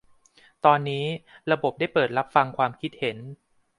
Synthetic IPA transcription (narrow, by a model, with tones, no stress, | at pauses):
t̪ɔː˧nːiː˦˥ɾa˧bo˨˩p̚da˥˩jpɤː˨˩t̪̚ɾa˦˥p̚fa˧ŋkʰwaː˧mkʰi˦˥t̪̚he˩˦n